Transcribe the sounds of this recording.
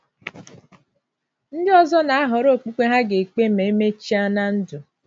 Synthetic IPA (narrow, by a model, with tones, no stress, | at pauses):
n̩˦dɪ˦ɔ˦zɔ˦na˨a˦ɦɔ˨ɾo˦˨k͡pu˦kʷe˦ɦa˦ɡe˨k͡pe˦me˨e˦me˦t͡ʃi˦a˦na˦n̩˦dʊ˨